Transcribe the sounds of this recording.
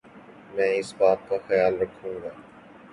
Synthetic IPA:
mɛ̃ːɪsbaːt̪̚kaːxəjaːlɾəkʰũːɡaː

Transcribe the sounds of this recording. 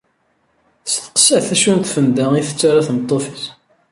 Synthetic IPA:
θsθə̥qə̥sæʕθæʃunt̪fənd̪æiθət͡sːaɾaθnət̪ˤːofis

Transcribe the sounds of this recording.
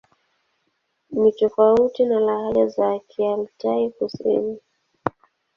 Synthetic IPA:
mitɔfautinalahalazakʰialtaikusḭni

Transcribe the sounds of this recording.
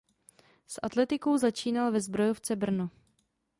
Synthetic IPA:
sʔat̪lɛt̪ɪko̞wzat͡ʃiːnalvɛzbɾo̞joft͡sɛbr̩no

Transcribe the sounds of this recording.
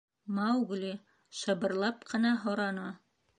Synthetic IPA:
mɑwɡlʲi | ʃɤ̆bɤ̆ɾlˠɑpqʰɤ̆nɑɦŏɾɑnɑ

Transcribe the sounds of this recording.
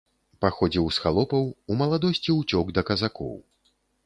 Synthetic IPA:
paxɔd͡zʲiwsxalˠɔpɐwumɐlˠad̪ɔsʲt͡sʲiut͡sʲɔɡd̪ɐkɐzakɔ̰w

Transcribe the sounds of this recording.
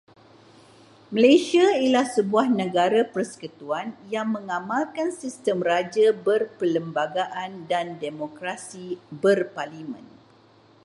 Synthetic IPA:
məlajsiailahsəbuahnəɡaɾapərsə̥kət̪uanjaŋmə̃ŋãmalkansist̪əmrad͡ʒabərpələmbaɡaʔandandemokɾasibərparlimə̰̃n

